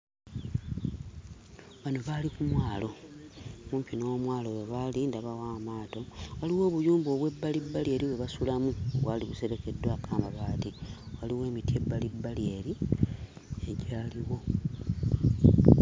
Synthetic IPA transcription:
βano̞βalikumwaːlo̞ | muːmpinowmwaːlojeβalindaβawaːmaːto̞waliwo̞ːβujuːmbo̞ːβwe̞bːalibːalie̞ɾiβwe̞βasulamuβwaliβuse̞ɾe̞ke̞dwaːkaːmbaβaːtiwaliwe̞ːmitie̞bːalibːalie̞li | e̞ɟaːliwo̞

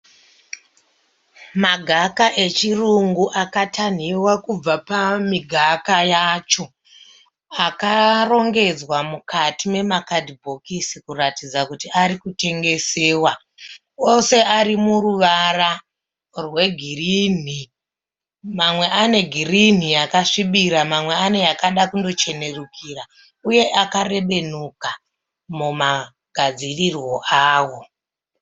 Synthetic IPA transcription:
maɡʱakaʔe̞t͡ʃiruŋɡuʔakatʰan̤iwakub͡vapamiɡʱakajat͡ʃo̞ | akaro̞ŋɡe̞d͡zwamukʰatime̞makadibʱo̞kisikuratid͡zakutiaɾikute̞ŋɡe̞se̞ːwa | o̞se̞ʔaɾimuruʋara | rwe̞ɡʱirini | mamwe̞ʔane̞ɡʱirin̤ijakaʂiɓiɾamamwe̞ane̞jakaɗakundo̞t͡ʃe̞ne̞rukira | uje̞ʔakare̞ɓe̞nuka | muma | ɡ̥ʱad͡zirirwo̞ʔaːwo̞

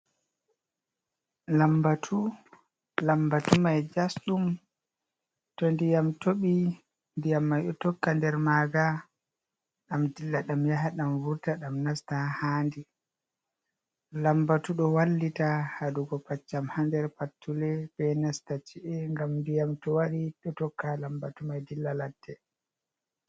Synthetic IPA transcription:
lambatʰu | lambatumajd͡ʒasɗum | tɔndijamtoɓi | ndijamːajɗɔtɔkːandɛɾmaːɡa | ɗamdilːaɗamjaɦaɗamvuɾtaɗamnastahaːndi | lambatuɗɔwalːitahaduɡɔpat͡ʃːamhandɛɾpatːulɛbɛnastat͡ʃiʔɛŋɡamndijamtɔwaɾiɗɔtɔkːalambatumajdilːalatːɛ

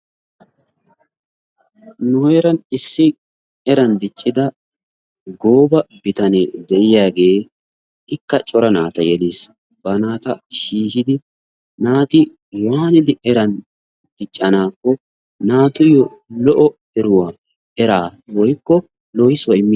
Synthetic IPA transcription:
nʊɛɾɐnɪsːɪ | ɛɾɐnd̪ɪt͡ʃʼːɪd̪ɐ | ɡo̞ːbɐbɪt̪ɐnɛd̪ɛʔɪjaːɡe̞ː | ɪkːɐt͡ʃʼɔɾɐnaːt̪ɐjɛleːs | bɐnaːt̪ɐʃiːʃɪd̪ɪ | naːt̪ɪ | waːnɪd̪ɪʔɛɾɐn | d̪̥ɪt͡ʃʼːɐnaːkːɔ | naːt̪ʊjɔ | lɔʔɔ | ɛɾʊwaː | ɛɾaːwɔjkːɔ | lɔjɪswɔɪmːɪ

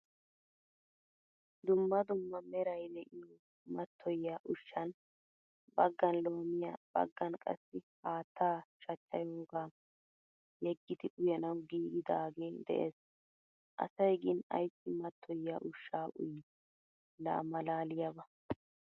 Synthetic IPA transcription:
d̪ʊmːɐd̪ʊmːɐmɛɾɐjd̪ɛʔɪjo | mɐt̪ʰːɔjːaʔʊʃːɐn | bɐɡːɐnlo̞ːmɪjab̥ɐ̰ɡːɐnkʼɐ̰sːɪhaːt̪ʰːaːʃɐt͡ʃːɐ̰joːɡaː | jɛɡːɪd̪ɪʔʊjɛnɐwɡiːɡɪd̪aːɡe̞ːd̪ɛ̰ʔḛːs | ʔɐ̰sɐjɡɪnɐ̰jsːɪmɐt̪ʰːɔjːɐʔʊʃːaːʔʊ̰j | la̰ːmɐlaːlɪjɐbɐ

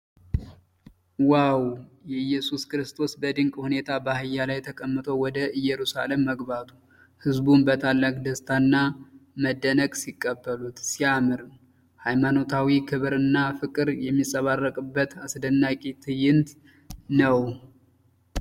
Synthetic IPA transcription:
wawjɛjːɛsuskɾɨst̪ʰo̞sbəd̪ɨŋkʼhune̞t̪ʰabahɨjːalajt̪ʰəkʼəmːɨt̪ʰo̞wɔd̪əʔɨjɛɾusa̰le̞mːəɡbat̪ʰu | hɨzbunbət̪ʰalːakʼd̪əst̪ʰanːaməd̪ːənəɡsikʼːəbːəlut̪siamɨɾɨ | hajmano̞t̪ʰawikʰɨβɾɨnːafɨkʼɨɾjɛmːisʼəβarːəkʼɨbːət̪asd̪ənːakʼit̪ʰɨjɪnt̪ | nəw

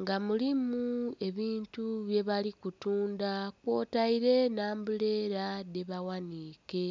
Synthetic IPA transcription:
ŋɡamulimue̞βiːntuβje̞βalikutuːndakwo̞ːtaiɾe̞naːmbule̞ːɾadeβawaniːke̞

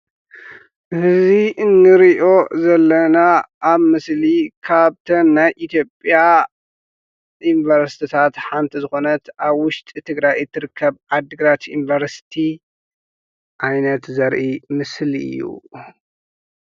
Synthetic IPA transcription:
ʔɨhɨziɨnːɨɾiʔo̞zɐlːɐnaʔːβmɨslikʰaβt̪ʰɐnːajʔit̪ʰjo̞pʼja | jinvɐɾsi̥t̪ʰit̪ʰat̪ħant̪ʰizɨxo̞nɐt̪aβwʊʃt̪ʼit̪ʰɨɡɾajɨt̪ʰːɨɾɨkʰːɐβad̪ɨɡɾat̪invɐɾsi̥t̪ʰi | ʔajnɐt̪zɐɾʔimɨsliɨ̰jːṵ

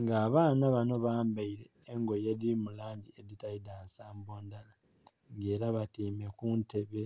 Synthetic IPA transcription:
ŋɡaːβaːnaβano̞βaːmbaiɾe̞ːŋɡo̞jedimulaːɲɟied̪itaidaːnsaːmbo̞ːndala | ŋɡe̞ːɾaβatiːme̞kunte̞βe̞

